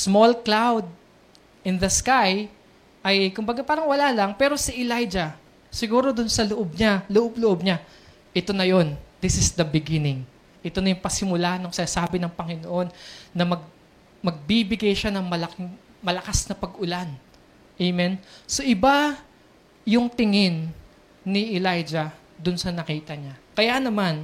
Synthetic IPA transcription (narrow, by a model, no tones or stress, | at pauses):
smo̞lklawd̪̚ | ʔɪnd̪ɐskaj | ʔɐjkʊmbɐɡapaːɾɐŋwɐlaːlɐŋpɛːɾo̞siʔɪlajd͡ʒɐ | sɪɡuːɾo̞d̪ʊnsɐloʔob̚ɲaloʔob̚lʊʔo̞b̚ɲa | ʔɛt̪o̞nɐjo̞nd̪ɪsɪsd̪ɐbɪɡɪnɪŋ | ʔɛt̪o̞nɐjʊŋpɐsɪmʊlaːhɐnːoŋsɪnasaːbɪnɐŋpɐŋɪnoʔo̞nːɐmɐɡ̚ | mɐɡ̚bibɪɡɐjʃanɐŋmɐlɐkɪŋ | mɐlɐkasnɐpɐɡʔʊlan | ʔejmɛnso̞ʔɪba | jʊŋt̪ɪŋɪnː | ɪʔɛlajd͡ʒɐ | d̪ʊnsɐnɐkiːt̪ɐɲakɐjanɐman